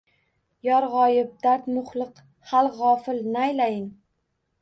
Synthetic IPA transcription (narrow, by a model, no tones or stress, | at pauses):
jɒɾʁɒjɪp̚d̪aɾt̪mʊχlˠɨq | halˠʁɒfɪlnɪajlajɪŋ